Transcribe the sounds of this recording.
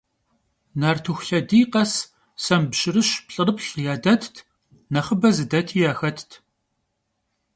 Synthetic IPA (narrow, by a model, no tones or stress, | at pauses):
naːrtʰuxʷɬɐdiːqɐs | sɐmbɕɪrɨɕpɬʼɨrɨpɬʼjaːdɐtʰtʰ | nɐχəbɐzɨdɐtʰiːjaːxɐtʰtʰ